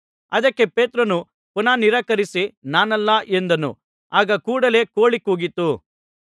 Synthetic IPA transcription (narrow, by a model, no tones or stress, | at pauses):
ɐd̪ɐkːe̞pe̞ːt̪ɾɐnu | punaːniɾɐːkɐɾisinaːnɐlːɐʔend̪ɐnṵ | aːɡɐkuːɽɐle̞ːkoːɭikuːɡit̪ːu